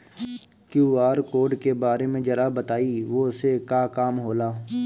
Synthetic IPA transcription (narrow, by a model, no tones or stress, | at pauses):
kjuːaːɾkoːɾɖkebaːɾemẽd͡ʒɐɾabɐt̪aːiʋoʊsekaːkaːmɦoːlaː